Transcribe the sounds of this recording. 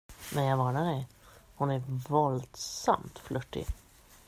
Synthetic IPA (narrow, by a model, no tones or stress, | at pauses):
nɛnjɑɡvɑːɳaɖɛj | hʊnæɾvɔld̪sa̰mt̪flɵʈːɪ̰